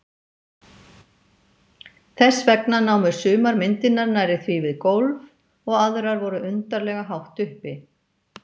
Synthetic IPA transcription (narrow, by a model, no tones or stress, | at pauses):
θɛsːvɛknanawmʏɾ̥sʏːmaɾmɪnt̪ɪnːaɾnaɾɪθvivɪðkowlv | ɔɣaðɾaɾvɔɾʏʏnt̪aɾlɛːɣaɦawht̪ʏhpɪ